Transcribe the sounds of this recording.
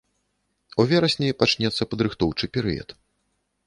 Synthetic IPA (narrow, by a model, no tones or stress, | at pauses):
uvʲɛɾɐsʲnʲɛjpat͡ʂnʲɛt̪sːɐpɐd̪ɾɨxt̪ɔwt͡ʂɨpʲɛɾɨjɐ̰t̪